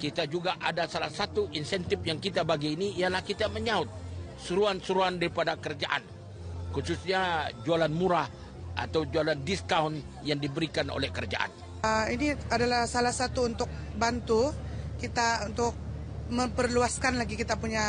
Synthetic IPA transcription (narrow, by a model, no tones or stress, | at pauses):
kit̪ad͡ʒuɡaʔadasalahsat̪uʔinsɛnt̪ɪfjaŋkit̪abaɡiːniialahkit̪aməɲaʊt̪̚ | suɾuansuɾuandaɾipadakəɾd͡ʒaʔa̰n | kususɲad͡ʒualanmuɾah | ʔa̰t̪awd͡ʒualandiskaun | jaŋdibəɾikano̰lɛhkəɾd͡ʒaʔa̰n | iniadalahsalahsat̪uːnt̪ʊk̚bant̪ukit̪aunt̪ʊk̚ | məmpərluaskanlaɡikit̪apuɲa